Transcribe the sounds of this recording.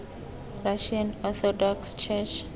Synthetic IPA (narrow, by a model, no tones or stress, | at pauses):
raʃãnɔθɔdɔkst͡ʃʰɛt͡ʃ